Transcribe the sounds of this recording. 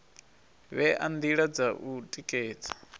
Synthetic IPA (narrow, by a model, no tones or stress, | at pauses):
βɛʔand̪iɺad͡zaʔutʼikʼɛːd͡zḁ